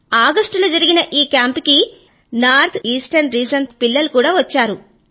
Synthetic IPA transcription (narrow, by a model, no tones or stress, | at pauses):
aːɡɐsʈuloːd͡ʒɐɾiɡinɐʔiːkjaːmpiki | naːɾt̪ʰiːsʈɐɾnɾiːsɐnt̪pilːɐlukuːɽaːʋɐt͡ʃːaːɾu